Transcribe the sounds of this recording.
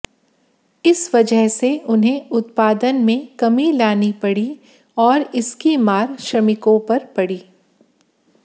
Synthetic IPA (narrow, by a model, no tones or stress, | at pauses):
ɪsʋɐd͡ʒəɦseʊnɦẽʊt̪̚paːd̪ənmẽkɐmilaːnipɐɽi | ɔːɾɪskimaːɾʃɾɐmɪkõpɐɾpɐɽiː